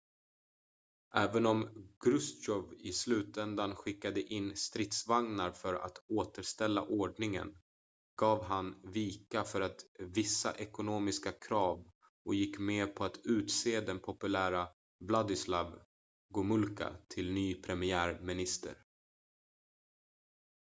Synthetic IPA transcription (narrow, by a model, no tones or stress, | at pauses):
ʔɛːvənɔmɡ̥ɾɵst̪ɔvɪslʉ̟ːt̪ɛnd̪anɧɪkːad̪əʔɪnːst̪ɾɪt̪svaŋnaɾfœɾa̰t̪oːt̪əʂt̪ɛlːa̰ʔoːɖɳɪŋə̰n | ɡ̥ɑːvɦanviːkafœɾat̪vɪsːa̰ʔɛkʊnoːmɪskakʰɾɑːv | ʔɔjɪkːmeːpʰɔat̪ʉ̟ːt̪seːd̪ɛnpʰɔpɵlæːɾa | blad̪ɪslav | ɡʊmɵlka̰t̪ʰɪlnyːpʰɾɛmɪæːɾmɪnɪst̪ə̰ɾ